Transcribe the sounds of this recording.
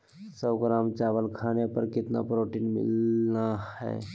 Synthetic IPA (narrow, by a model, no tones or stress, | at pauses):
səːɡɾaːmt͡ʃaːʋəlkʰaːnepəɾkɪt̪na̰pɾoːʈinmɪ̰lnahɛ̰ː